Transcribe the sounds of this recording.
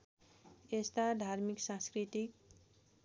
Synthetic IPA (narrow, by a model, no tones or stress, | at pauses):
est̪ad̪ʱaɾmiksãskɾit̪ik